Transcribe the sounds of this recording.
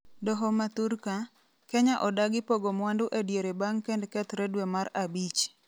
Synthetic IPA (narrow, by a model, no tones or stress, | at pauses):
dɔɦɔmat̪uɾka | keɲaʔɔdaɡɪpoɡomwandʊʔedjeɾebaŋkendkɛt̪ɾedwemaɾabit͡ʃ